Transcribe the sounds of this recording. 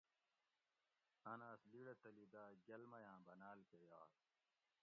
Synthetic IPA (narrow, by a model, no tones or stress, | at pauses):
ɐnaːsliɽet̪ɐlid̪aːɡɐlmɐjãːbɐnaːlkejaːt